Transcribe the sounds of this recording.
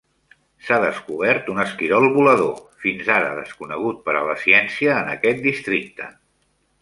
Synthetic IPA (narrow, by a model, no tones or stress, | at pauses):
saðəskuβ̞ɛɾt̪unəskiɾɔlˠβuləðofinzaɾə̰ðə̰skunəɣ̞ut̪̚pəɾə̰ləsiɛnsiəːnəkɛt̪̚d̪ist̪ɾik̚t̪ə